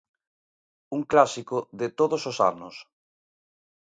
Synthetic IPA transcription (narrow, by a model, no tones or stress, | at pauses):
uŋklasikoðet̪oðososa̰nʊs